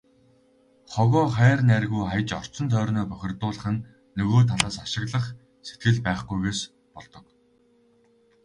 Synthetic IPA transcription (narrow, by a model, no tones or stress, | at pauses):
χɔɣɔːχæːrnærɣujχaj̆t͡ɕɔr̥t͡sɞ̆nt̪ʰœːrnœːpœxʲɪ̆rt̪ʊːɮə̆χɘ̆nː | ɵɣoːt̪ʰaɮaːsaʃɪ̆ɣɮə̆χ | se̥t̪ɡɘ̆ɮpæːχɡujɣeːs | pɔɮt̪ɞ̆k